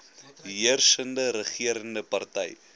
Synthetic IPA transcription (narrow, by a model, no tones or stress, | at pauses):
ɦiərsəndəɾəχiəɾəndəpɐrtɛj